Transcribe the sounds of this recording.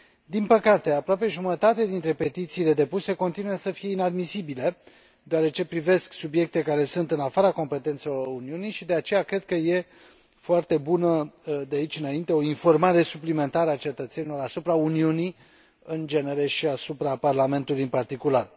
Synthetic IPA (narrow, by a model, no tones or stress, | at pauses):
d̪inpəkat̪e̞apɾoape̞ʒumət̪at̪ead̪int̪ɾe̞pe̞t̪it̪siːle̞d̪e̞puse̞ko̞nt̪inujesəfije̞inad̪misibile̞ | d̪oaɾe̞t͡ʃe̞pɾive̞sksubje̞k̚t̪e̞kaɾe̞sɨnt̪ɨnafaɾako̞mpe̞t̪e̞nt̪selouniunijʃid̪e̞at͡ʃe̞jakɾe̞d̪̥̚kəje̞ | foart̪e̞bunəd̪eait͡ʃɨnaint̪e̞o̞info̞rmaɾe̞suplime̞nt̪aɾəat͡ʃe̞t̪ət̪se̞nilo̞ɾasupɾauniuni | ɨnd͡ʒe̞neɾe̞ʃiasupɾaparlame̞nt̪ulujɨnpart̪ikular